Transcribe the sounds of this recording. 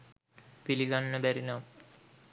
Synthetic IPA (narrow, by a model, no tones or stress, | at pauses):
piliɡanːəbæɾinam